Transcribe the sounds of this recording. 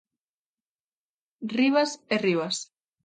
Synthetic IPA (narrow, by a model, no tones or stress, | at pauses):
riβaseriβas